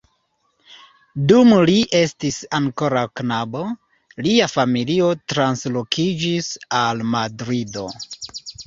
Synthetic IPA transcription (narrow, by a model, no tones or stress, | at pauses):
dumliʔe̞stisaŋko̞ɾawknabo | liafamilio̞tɾanslo̞kʰid͡ʒisalmadɾido̞